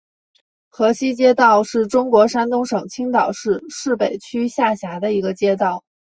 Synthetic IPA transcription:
xɤ˧˥ɕi˥t͡ɕjɛ˥t̪ɑ˥˧ʊʂɻ̩˥˩ʈ͡ʂʊ˥ŋkwɔ˧˥ʂa˥nt̪ʊ˥ŋʂɤ˨˩ŋt͡ɕʰi˥ŋt̪ɑ˨˩ʊʂɻ̩˥˧ʂɻ̩˥˩pe˨˩ɪt͡ɕʰy˥ɕja˥˩ɕja˧˥d̪ə˧i˧˥ɡə˧t͡ɕjɛ˥t̪ɑ˥˩ʊ

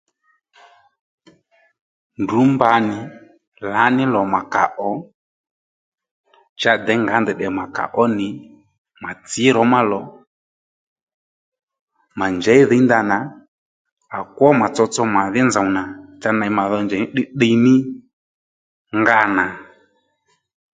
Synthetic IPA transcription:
ndu˨˦mba˧nɪ˨ | la˨˦nɪ˦lɔ˨ma˨ka̰˨ʔɔ˨˦ | t͡ʃa˧d̪ɛ˨˦ŋɡa˨˦nd̪ɛ˨ɗɛ˨ma˨ka̰˨ʔɔ˦nɪ˨ | ma˨t͡sɪ˨˦ɾɔ˨˦ma˦lɔ˨ | ma˨nd͡ʒɛ˨˦i˦ðɛ˨˦nd̪a˧na˨ | a˨kɔ˦ma˨t͡sɔ˧t͡sɔ˧ma˨ðɪ˦nza˨u˨na˨t͡ʃa˧na˨˦ma˨ðɔ˧nd͡ʒɛ˨nɪ˦ɗɪ˦ɗə˧nɪ˦ | ŋɡa˦˨na˨

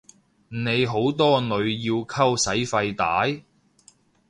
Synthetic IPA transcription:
ne˨˧jɦo˨˥wt̪̬ɔː˥nɵ˨˧ɥjiː˧wkʰɐ˥wsɐ˨˥jfɐ˧jt̪aː˨˥j

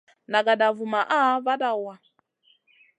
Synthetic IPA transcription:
na˨ɡa˨da˨vu˨ma˨ʔa˦βa˦da˦˨wa˨

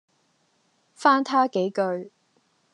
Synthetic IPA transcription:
faː˥nt̪ʰaː˥ke˨˥jkɵ˧ɥ

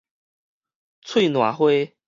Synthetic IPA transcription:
t͡sʰwe˥˧˨nwa˨˩xwe˥˦

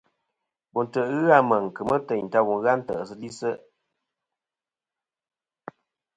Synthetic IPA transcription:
bu˨n̩˨tə˨ɣɨ˦a˦˨mə˨ŋ˨kɨ˨mə˦tə˨n̩˨ta˧wu˨n˦ɣa˦n̩˦tə̰˨ʔsə˦li˦sə˦

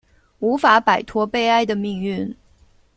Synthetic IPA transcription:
u˧˥fa˧˥pa˨˩ɪt̪ʰwɔ˥pe˥˧ɪa˥˧ɪd̪ə˨mi˥˧ŋy˥˩n

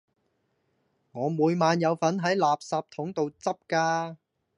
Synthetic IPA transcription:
ŋɔː˨˧muː˨˧jmaː˨˧njɐ˨˧wfɐ˨˥nɦɐ˨˥jlaː˨p̚saː˨˧p̚t̪ʰʊ˨˥ŋt̪o˨˧wt͡sɐ˥p̚kaː˧

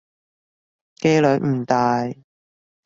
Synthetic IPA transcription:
ke˥jlɵ˨˥k̚m̩˨˩t̪aː˨j

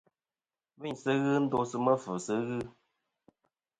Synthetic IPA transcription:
vi˦˨ɲsɨ˦ɣɨ˦n̩˦do˦sɨ˧mə˦fə˨sɨ˨˦ɣɨ˦

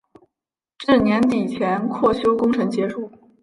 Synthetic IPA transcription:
ʈ͡ʂɻ̩˥˩njɛ˧˥nt̪i˨˩t͡ɕʰjɛ˧˥nkʰwɔ˥˩ɕjo˥ʊkʊ˥ŋʈ͡ʂʰɤ˧˥ŋt͡ɕjɛ˧˥ʂu˥˩

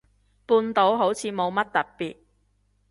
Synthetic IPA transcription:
puː˧nt̪o˨˥wɦo˨˥wt͡sʰiː˨˧˥mo˨˧wmɐ˥t̚t̪ɐ˨t̚piː˨t̚

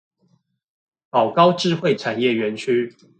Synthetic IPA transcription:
pɑ˨˩ʊkɑ˥˦ʊʈ͡ʂɻ̩˥˨xwe˥˨ɪʈ͡ʂʰa˨˩njɛ˥˨ɥɛ˨˦nt͡ɕʰy˦

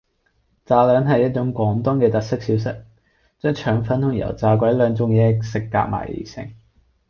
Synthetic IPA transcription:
t͡saː˨lœː˨˥ŋɦɐ˨jɐ˥t̚t͡ʃʊ˨˥ŋkʷɔː˨˥ŋt̪ɔː˥ŋkɛː˧t̪ɐ˨t̚sɪ˥k̚siː˨˥wsɪ˥k̚ | t͡ʃœː˥t͡ʃʰœː˨˩˥ŋfɐ˨˥nt̪ʰʊ˨˩ŋjɐ̰˨˩wt͡saː˨˧k̬ʷɐ˨˥jlœː˨˧ŋt͡sʊ˨ŋjɛː˨˧sɪ˨kːa̰ː˧k̚ma̰ː˨˩jḭ˨˩sɪ̰˨˩ŋ

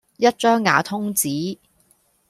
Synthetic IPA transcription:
jɐ˥t̚t͡ʃœː˥ŋːa̰ː˨˧˥t̪ʰʊ˥ŋt͡siː˨˥

